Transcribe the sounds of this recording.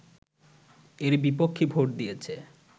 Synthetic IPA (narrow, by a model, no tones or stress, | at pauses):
eɾbipokʰːibʱoʈ̚d̪ijet͡ɕʰe